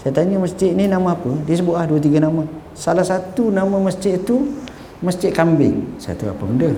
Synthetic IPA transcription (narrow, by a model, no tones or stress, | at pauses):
sajat̪aɲəməst͡ʃɪʔninamãapədiəs̬əbʊʔlahduət̪̬iɡanamã | salahsat̪unamãməst͡ʃɪʔt̪u | məst͡ʃɪʔ̪̚kambɪ̰ŋsaa̰t̪ua̰pəməndə